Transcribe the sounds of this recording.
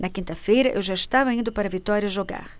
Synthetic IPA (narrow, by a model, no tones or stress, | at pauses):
nɐkĩnt̪ɐfejɾɐʔḛwʒaiʃt̪avɐĩnd̪ʊpaɾɐvit̪ɔɾjɐʒoɡa̰ɾ